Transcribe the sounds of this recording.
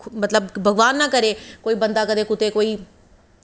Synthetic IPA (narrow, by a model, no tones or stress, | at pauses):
mət̪ləbbʱəɡʋaːnːãːkəɾeːkoːiːbənd̪aːkəd̪eːkʊt̪eːkoːiː